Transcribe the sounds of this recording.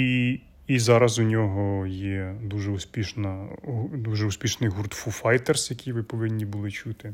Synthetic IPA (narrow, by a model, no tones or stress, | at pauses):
i | izɑɾɐzʊnʲɔɦɔjɛd̪uʒɛusʲpʲiʃnɐd̪uʒɛʊsʲpʲiʃnɪjɦurt̪fufɑjt̪ersjɐkʲijʋɪpɔʋɪnʲːibʊlˠɪt͡ʃut̪ɪ